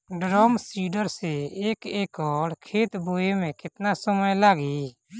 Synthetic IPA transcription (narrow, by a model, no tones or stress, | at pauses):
ɖɾɔːmsiːɖəɾseeːkeːkɔːɽkʰeːt̪boːemẽkɪt̪nasəməjlaːɡi